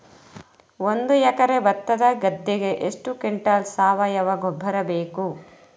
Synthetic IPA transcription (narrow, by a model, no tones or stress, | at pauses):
ond̪ujɛkɐɾebɐt̪ːɐd̪ɐɡɐd̪ːiɡe̞ʔeʂʈukeɳʈaːlsaːʋɐjɐʋɐɡobʱːɐɾɐbeːku